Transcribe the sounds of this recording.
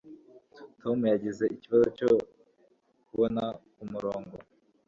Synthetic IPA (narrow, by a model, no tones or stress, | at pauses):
tʰo̞mujaɟeze̞iciβazot͡ʃo̞ | kuβo̞nakumuɾo̞ːŋɡo̞